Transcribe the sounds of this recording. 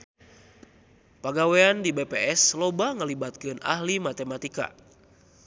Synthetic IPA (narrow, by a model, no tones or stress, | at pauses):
paɡaweandibepeʔɛslobaŋəlibat̪̚kɨna̰hlimat̪emat̪ika̰